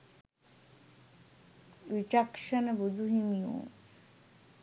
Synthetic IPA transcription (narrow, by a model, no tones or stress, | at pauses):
ʋit͡ʃakʃɐnəbud̪ʱuɦimijo̰ː